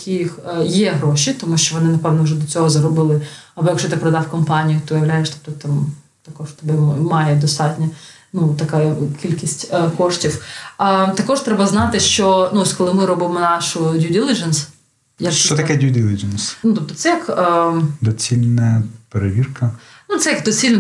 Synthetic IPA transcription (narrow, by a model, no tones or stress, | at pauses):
kʲʰijixjɛɦɾɔʃʲit̪ɔmuʃt͡ʃɔʋɔnɪnɐpɛwnɔwʐɛd̪ɔt͡sʲɔɦɔzɐɾɔbɪlˠɪɐbɔjɐkʃɔt̪ɪpɾɐd̪ɑwkɔmpɑnʲijʊt̪ɔɔjɐʋlʲajɛʃt̪ɔ̥p̚t̪ɔt̪ɑm | t̪ɐkɔʃt̪ɐbɛmɑjɛd̪ɔst̪ɑtʲnʲɐnut̪ɐkajɐkʲilʲkʲisʲtʲkɔʂtʲiwət̪ɐkɔʐt̪ɾɛbɐznɑt̪ɪʃt͡ʃɔnuɔsʲkɔlˠɪmɪɾɔbɪmɔnɑʃʊdʲuʊdʲilʲˠɪd͡ʒɐns | jakʃt͡ʃt͡ʃɔt̪ɐkɛdʲudʲilʲˠɪd͡ʒɛnsnut̪ɔp̚t̪ɔ̥t̪sɛjɐkː | d̪ɔt͡sʲilʲnɐɐpeɾeʋʲirkɐ | nut̪sɛjɐkd̪ɔt͡sʲilʲn